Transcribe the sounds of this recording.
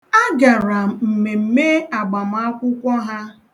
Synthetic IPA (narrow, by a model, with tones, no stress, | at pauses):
a˦ɡa˨ɾa˨m̩˨me˨m̩˨me˦a˨ɡ͡ba˨m̩˨a˦kʷʊ˦kʷɔ˦ɦa˦